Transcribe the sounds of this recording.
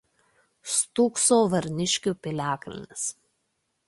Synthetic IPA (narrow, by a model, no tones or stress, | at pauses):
st̪uːksoːʋɐɾʲnʲɪʃʲkʲupʲɪlʲæːklʲɪ̰nʲɪs